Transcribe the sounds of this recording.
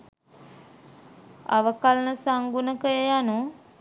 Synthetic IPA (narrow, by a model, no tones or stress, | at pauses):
a̰ʋəkalənəsaŋɡunəkəjejanu